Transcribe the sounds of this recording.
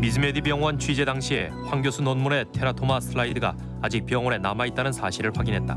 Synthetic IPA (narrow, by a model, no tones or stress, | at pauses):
mid͡ʑɯme̞dibjʌŋwʌnt͡ɕʰɥid͡ʑe̞daŋɕʰie̞̰ | ɸwaŋɡjosʰunonmuɾe̞tʰe̞ɾatʰomasʰɯɾaidɯɡa̰ | ad͡ʑik̚pjʌŋwʌne̞namait͈anɯnsʰaɕʰiɾɯɭɸwaɡinɦe̞t̚t͈a̰